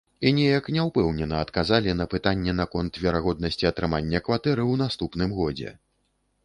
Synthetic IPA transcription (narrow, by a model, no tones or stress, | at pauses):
inʲɛjɐknʲɛwpɛwnʲɛnɐɐt̪kazalʲinɐpɨt̪anʲːɛn̪ɐkɔnt̪vʲɛɾaɣɔd̪̚nɐsʲt͡sʲiɐt̪ɾɨmanʲːɐkvat̪ɛɾɨwnast̪upnɨmɣɔd͡zʲɛ̰